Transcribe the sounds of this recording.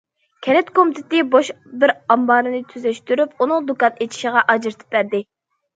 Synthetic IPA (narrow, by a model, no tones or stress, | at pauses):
kʲʰɛlɛt̪kʰomt̪ʰɪt̪ɪboʃ | bɪɾɑmbɑːɾɨnɨt̪ʰyzɛʃt̪yɾypunɨŋd̪ukɑnet͡ʃʰi̥ʃɪʁɑʔɑd͡ʒɨɾɨt̪ʰɨ̥p̚bæɾd̪ɪ